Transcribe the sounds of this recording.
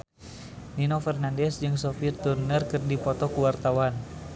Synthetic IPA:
ninofɛrnandɛsd͡ʒɨŋsofirt̪urnərkɨrdipɔt̪ɔkuwart̪awan

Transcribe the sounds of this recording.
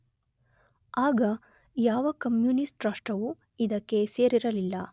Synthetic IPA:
aːɡɐ | jaːʋɐkɐmjunisʈɾɐːʂʈɐʋu | id̪ɐkːe̞seːɾiɾɐlilːɐ̰

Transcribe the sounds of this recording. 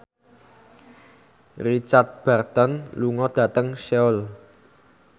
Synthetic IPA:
rit͡ʃart̪̚b̥ɛrt̪ɔnluŋɔd̪̥ä̤t̪əŋʃɛʊl

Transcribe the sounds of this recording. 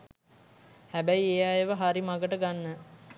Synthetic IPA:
hæbæjejajeʋəɦaɾimaɡəʈəɡanːə

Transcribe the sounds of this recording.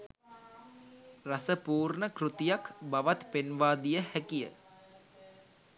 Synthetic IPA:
rasəpuːrɳəkrut̪ijakbaʋat̪penʋaːd̪ijəhækijə̰

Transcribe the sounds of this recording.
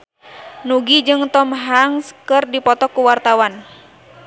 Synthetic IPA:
nuɡid͡ʒɨŋt̪ɔmɦaŋskɨrdipɔt̪ɔkːuwart̪awan

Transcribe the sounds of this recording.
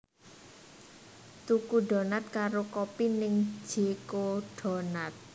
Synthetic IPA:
t̪ukuɖɔ̤nat̪̚kaɾokɔpinɪŋ̥d͡ʒ̥ikoɖ̥ɔ̤nat̪̚

